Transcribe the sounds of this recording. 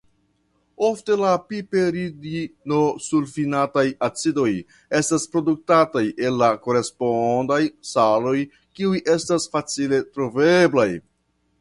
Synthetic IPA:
o̞fte̞lapipeɾidinosulfinatajat͡sido̞j | e̞staspɾo̞duk̚tataje̞lːako̞ɾe̞spondajsalo̞j | kiujʔe̞stasfat͡sile̞tɾoveblaj

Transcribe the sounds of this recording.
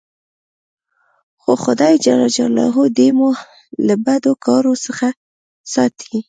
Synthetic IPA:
xoxʊd̪ɑjd͡ʒalɑd͡ʒa̰lɑ̰ɦod̪emu | labad̪okʰɑɾosəxa | sɑt̪ʰi

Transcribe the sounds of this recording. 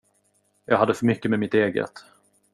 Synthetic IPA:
jɑːɦad̪ːəfœɾmʏkːəmɛmɪt̪eːɡə̰t̪

